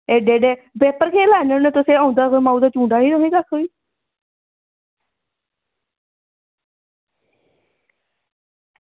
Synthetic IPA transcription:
eːɖeːɖeːbɛːpəɾkʰeːlaːnənet̪ʊsẽːãːʊ̃nd̪aːkmãːũd̪aːt͡ʃũːɳɖaːnĩːt̪oɦĩːkakʰːoiː

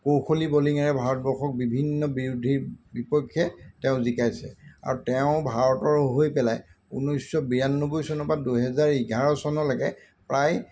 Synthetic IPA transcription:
kowxoliboliŋaɹɛbʱaɹɔt̚bɔɹxɔk̚bibʱinːɔbiɹudʱibipɔkʰːjɛtɛʊ̃zikajsɛ̰a̰ɹutɛʊ̃bʱaɹɔtɔɹɦojpɛlaj | ṵnɔjsːɔbijanɔnubujsɔnɔpaduɦɛzaɹiɡʱaɹɔsɔnɔlaɡɛ̰ | pɹaj

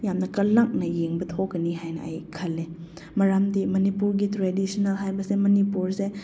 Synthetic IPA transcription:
jamnɐkɐlːak̚nɐjeŋbɐtʰokɐniɦajnɐ̰ʔːjkʰɐlːe | mɐɾamdimɐnipuɾɡitɾedisɐnɐlɦajbɐsemɐnipuɾse

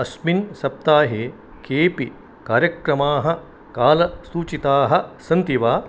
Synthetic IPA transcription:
ɐsminsɐp̚t̪aːɦeː | keːpi | kaːɾjɐkɾɐmaːɦɐ̆ | kaːlɐsuːt͡ʃit̪aːɦɐ̆sɐnt̪iʋaː

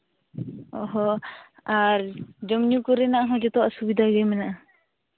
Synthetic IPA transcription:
ɔɦɔ | aɾd͡ʒɔmɲukɔɾɛnaʔaɦɔ̃d͡ʒɔt̪ɔʔasubid̪ʱaɡɛmɛnaʔa

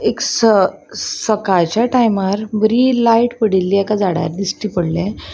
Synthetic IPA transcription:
eksə | səkat͡ɕaʈajmaɾbəɾilaiʈpəɽilːiɛkad͡zaɽja̰ɾd̪isʈipəɽlẽ

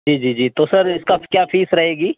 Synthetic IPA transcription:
d͡ʒiːd͡ʒiːd͡ʒiːt̪osɐɾɪskakjaːfʰiːsɾɐɦeːɡiː

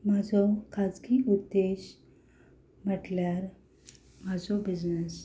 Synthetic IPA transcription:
mad͡zokʰad͡zkiʔud̪ːeɕ | m̤əʈljaɾ | mad͡zobid͡ʑnəs

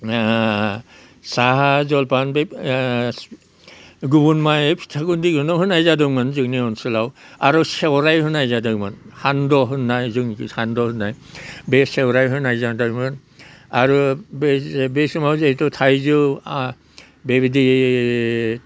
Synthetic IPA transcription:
saɦazɔlpanbe | ɡubunmajepʰi̥tʰakundik̚hɯnɔɦɯnajzadɯmɯnzɯkniɔnsɯlawaɾɔsewɾajhɯnajzadɯmɯnhandɔɦɯnːajzɯŋhandɔhɯnːajbesewɾajɦɯnajzadajmɯn | aɾubbesumawzeitɔtʰajzɯ | bebidi

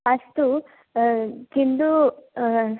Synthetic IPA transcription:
ɐst̪u | kind̪u

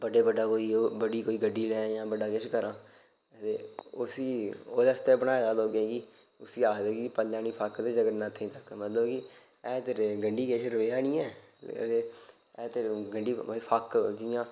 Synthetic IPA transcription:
bəɖeːbəɖaːkoːiːoːbəɖiːkoːiːɡəɖːiːlɛ̃ːjãːbəɖaːkeʃkəɾãː | t̪ḛːʊsiːoːd̪ɛːst̪eːbənãːelaːloːɡẽːki | ʊsiːaːkʰd̪eːkipəlːaːniːpʰakt̪eːd͡ʒəɡəɾnãːt̪ʰeĩːt̪əkmət̪ləbkɪ | ɛːt̪eɾɡəɳɖiːkeʃɾəʋeːaːnĩːɛ̰ː | t̪eː | ɛːt̪eɾɡəɳɖiːpʰakd͡ʒijãː

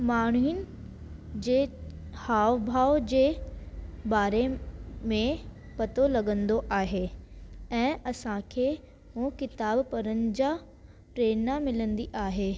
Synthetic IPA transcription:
maːɳ̤inɪ̆ | d͡ʑeː | haːʋbʱaːod͡ʑeː | baːɾemẽ | pɐt̪olɐɠə̃nd̪oʔaːɦe | ɛ̃ːɐsãkʰe | mũkɪt̪aːbpɐɾənɪ̆d͡ʑa | pɾeːnamɪlə̃nd̪iʔaːɦeː

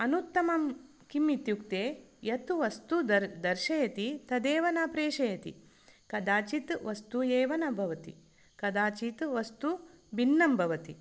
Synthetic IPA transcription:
ɐnut̪ːɐmɐm | kimːit̪jukt̪eːjɐt̪uʋɐst̪uɐd̪ɐɾʃɐjɐt̪it̪ɐd̪eːʋɐnaːpɾeːʃɐjɐt̪ḭ | kɐd̪aːt͡ʃit̪ʋɐst̪ujeːʋɐnɐbʱɐʋɐt̪ḭ | kɐd̪aːt͡ʃit̪ʋɐst̪u | bʱinːɐmbʱɐʋɐt̪i

